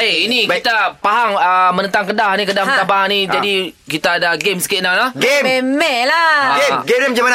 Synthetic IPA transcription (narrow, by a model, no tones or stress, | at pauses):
iinĩkit̪apaɦaŋəmənə̃nt̪aŋkədahnikədahmət̪apaɦaŋnid͡ʒadikit̪aːdaɡemsə̥kɪnalahɡembemɛʔlaɡeɡeɛmd͡ʒamana